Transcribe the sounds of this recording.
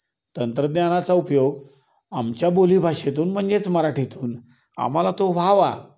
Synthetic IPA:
t̪ənt̪ɾəd̪njañat͡saupjoɡ | amt͡ɕjaboliːbʱaʂet̪̬uːnm̤əɳd͡zet͡sməɾaʈʰit̪uːn | a̰m̤alat̪oʋ̤ʱaʋa̰

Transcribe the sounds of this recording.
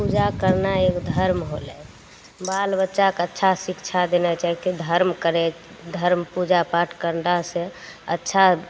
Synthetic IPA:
pud͡ʒakəɾnaekd̪ʱəɾmɦolɛ | balbətːʃakətːʃʰasikt͡ʃʰad̪enɛt͡ʃaɦiked̪ʱəɾmkəɾɛ | d̪ʱəɾmpud͡ʒapaʈʰkəɾɳɖasẽətːʃʰa

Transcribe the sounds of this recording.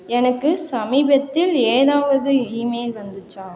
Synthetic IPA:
ɛnɐkːɯsɐmiːbɐt̪ːɪleːɾaːʋɐðɯiːmeːlʋɐnd̪ɯt͡ʃːaː

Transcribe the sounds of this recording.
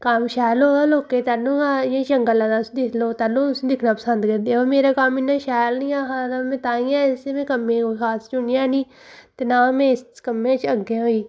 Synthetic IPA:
kəmʃaːloːaːloːkeːt̪aːlũːaːẽːt͡ʃəŋɡəlãːd̪aːsd̪ɪsʰloːt̪aːlːõːʊsːd̪ɪkʰnaːpəsənd̪kəɾd̪eoːmeːɾaːkamɪnːãːʃaːlnĩːaːɦaːnamẽːt̪aːĩːãːɪsemẽːkəmːẽːokʰaːst͡ʃʊnɪjãːnĩː | t̪eːnaːmẽːskəmːẽːt͡ʃəɡeɦoːiː

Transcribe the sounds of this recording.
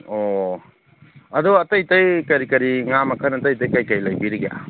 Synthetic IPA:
ɔ | ɐdɔɐtajtajkɐɾikɐɾiŋamɐkʰənɐtajtajkajkajlajbiɾiɡja̰

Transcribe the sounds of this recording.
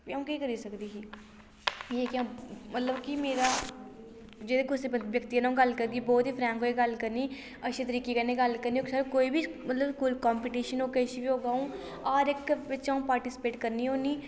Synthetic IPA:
iaũːkiːkəɾiːsəkd̪iːsiː | jeːkiãmət̪ləbkimeːɾaː | d͡ʒeːd̪eːɡʊsebəʋjəkt̪iːənãũːɡəlkəɾɡiːbɔːt̪iːpʰɾɛ̃ːŋkɦoːiːɡəlkəɾniː | əʃʰeːt̪̬əɾiːkeːkɛneːɡəlkəɾniːksakoːiːbʱiːmət̪ləbkuːlkɔːmpiːʈiːʃənoːkəʃiːbiːɦoːɡaːũː | aːɾɪkʋɪt͡ʃaũːpaːɾʈiːsɪ̥peːʈkəɾniːɦoːniː

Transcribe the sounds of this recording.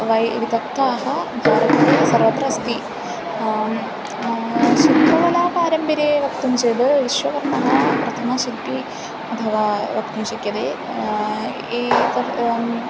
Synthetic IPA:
ʋɐjʋit̪ɐkt̪aːɦɐbʱaːɾɐt̪ɾesɐɾʋɐt̪ɾɐɐst̪i | ʃid̪ʱɐʋɐlaːpaːɾɐmbiɾeːʋɐkt̪umʃeːd̪ɨʋiʃʋɐkɐɾnɐɦapɾɐt̪ʰɐmɐʃilpi | ɐt̪ʰɐʋaːʋɐk̚t̪umʃɐkjɐd̪eː | eːk̪ɐ

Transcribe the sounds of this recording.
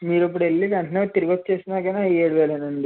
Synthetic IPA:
miːɾɐp̬ːuɽelːikɐɳʈinoːt̪iɾiɡɐt̪̚ːt͡ʃeːsinaːkɐnaeːɽuʋeːlɐnɐɳɖi

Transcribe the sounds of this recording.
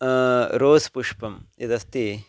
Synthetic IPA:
ɾoːspuʂpɐmɐd̪ɐst̪i

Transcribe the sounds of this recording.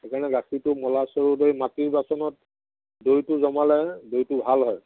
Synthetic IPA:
ekanɛɡaxitʊmɔlasɔɹudoimatiɹbasɔnɔt̚ | dojtʊzɔmalɛdojtʊbʱalɦɔj

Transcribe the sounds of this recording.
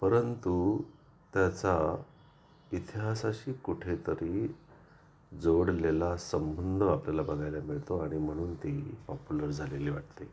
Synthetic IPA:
pəɾənt̪u | t̪jat͡sa | it̪iɦasaɕiːkuʈʰet̪əɾi | d͡zoɽlelasəmbənd̪ʱəapljalabəɡʱajljamiɭt̪oaɽ̃im̤əɽ̃uːnt̪eɦipɔpuləɾd͡zʱaleliːʋaʈt̪e

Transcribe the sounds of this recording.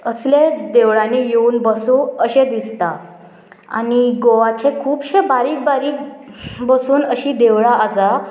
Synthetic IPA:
əsled̪eʋɭãnijeuːnbəsũəɕed̪ist̪a | a̰niɡoʋat͡ɕẽkʰuːbɕebaɾiːk̚baɾiːk̚bəsuːnəɕiːd̪eʋɭaːd͡za

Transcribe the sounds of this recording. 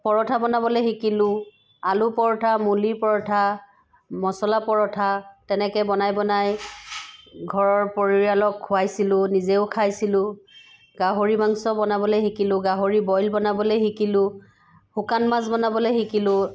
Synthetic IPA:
pɔɹɔtʰabɔnabɔlojxikilʊ̃ | alupɔɹtʰamulipɔɹɔtʰa | mɔsɔlapɔɹɔtʰatɛnɛkɛbɔnajbɔnaj | ɡʱɔɹɔɹpoɹiɹalɔkhʊwajsilʊnizeʊkʰajsilʊ̃ | ɡaɦoɹibaŋsɔbɔnabɔlejxikilʊ̃ɡaɦoɹibɔjlbɔnabɔlejxikilʊ̃ | hukanmazbɔnabɔlojxikilʊ̃

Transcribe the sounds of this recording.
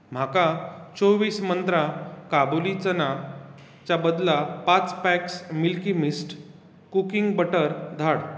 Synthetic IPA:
m̤akat͡soʋiːsmənt̪ɾakabulit͡səna | t͡ɕabəd̪lapat͡spɛksmilkimisʈ | kukiŋɡbəʈəɾd̪ʱaɽ

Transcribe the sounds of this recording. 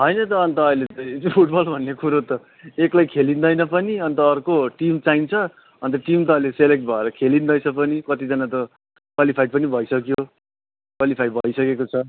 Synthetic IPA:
ɦʌjnʌt̪ʌːnt̪ʌːilet̪ʌpʰuʈbʌlbʱʌnːekuɾot̪ʌ | eklajkʰelind̪ʌjnʌpʌniʌnt̪ʌːrkoʈimt͡saint͡sʰʌ | ʌnt̪̬ʌʈimt̪ʌʌileselek̚ʈ̚bʱʌeɾʌkʰelind̪ʌjt͡sʰʌpʌnikʌt̪id͡zʌnat̪ʌ | kwalipʰajpʌnibʱʌjsʌkjo | kwalipʰajbʱʌjsʌkekot͡sʰʌ

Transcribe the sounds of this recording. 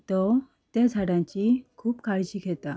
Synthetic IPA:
t̪ɔ | t̪ed͡zʱaɽãɲt͡ɕikʰuːpkʰaɭɕiːɡʱɛt̪a

